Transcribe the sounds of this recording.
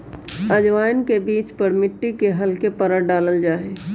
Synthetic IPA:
əd͡ʒʋaːɪnkebiːt͡ʃpɐɾmɪʈːikeɦɐlkepəɾəɖaːləld͡ʒaːeː

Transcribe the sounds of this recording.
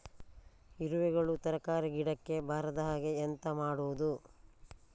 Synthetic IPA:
iɾuʋɛɡɐɭut̪ɐɾɐkaːɾiɡiɽɐkːe̞bʱaːɾɐd̪ɐɦaːɡeːnt̪ɐmaːɽuud̪u

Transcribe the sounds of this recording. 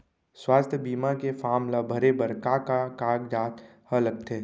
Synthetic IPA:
swaːst̪ʰjəbiːmakefaːmlabʱɐɾebəɾkakakaːɡd͡ʒaːt̪ | hələɡt̪ʰeː

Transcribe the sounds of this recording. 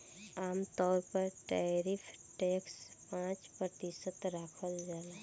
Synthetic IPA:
aːmt̪ɔːɾpəɾʈaɾipʰʈekspãt͡ʃpɾət̪isət̪ɾakʰəld͡ʒala

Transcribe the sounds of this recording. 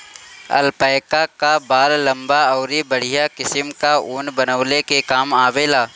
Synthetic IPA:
ɐ̰lpəɪkakabaːlːɐ̃mbaɔːɾibɐɽ̤ijakɪsəmkauːnbɐnəʋlekekaːmaːʋeːlaː

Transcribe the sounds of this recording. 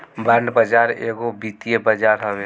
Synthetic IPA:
bə̃ɳɖbəd͡ʒaːɾḛːɡobit̪iebəd͡ʒaːɾɦəʋe

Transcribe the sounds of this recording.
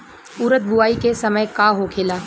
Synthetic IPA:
uːɾət̪̚bʱʊaːikesɐməjkaɦokʰeːlaː

